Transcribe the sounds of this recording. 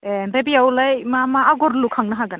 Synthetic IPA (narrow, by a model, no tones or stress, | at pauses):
ɛnɾebiawlajmamaːɡɔɾlukʰaŋnaɦaɡan